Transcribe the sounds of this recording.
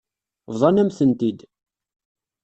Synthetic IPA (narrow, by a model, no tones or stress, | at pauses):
vðˤɑnæmθənt̪id̪